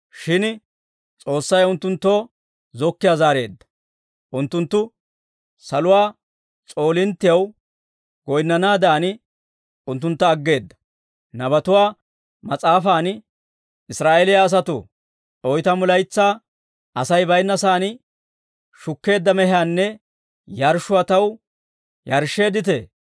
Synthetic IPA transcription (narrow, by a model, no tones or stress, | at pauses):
ʃɪn | t͡sʼo̞ːsːɐjʊnt̪ːʊnt̪ːo̞ː | zɔkːɪjaːzaːɾe̞ːd̪ːɐ̥ | ʔʊnt̪ːʊnt̪ːʊ | sɐlʊwaː | t͡sʼo̞ːlɪnt̪ːɪjɐw | ɡ̥ɔjnːɐnaːd̪aːn | ʊnt̪̬ːʊnt̪ːɐːɡːe̞ːd̪ːɐ̥ | nɐbɐt̪ʊwaː | mɐt͡sʼaːfaːn | ɪsɾaːʔelɪjɐːs̬ɐt̪ʊ̰ | ɔjt̪ɐmʊlɐjt͡sːaː | ɐsɐjbɐjnːɐsaːn | ʃʊkːe̞ːd̪ːɐmɛɦaːnːɛ | jɐɾʃʊɐt̪ɐw | jɐɾʃe̞ːd̪ɪt̪̬e